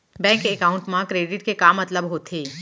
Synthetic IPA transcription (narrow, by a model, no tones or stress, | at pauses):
bɛ̃ːŋkeːkaːʊ̃ɳʈmãkɾeːɖɪʈkekaːmːɐt̪ləbɦoːt̪ʰeː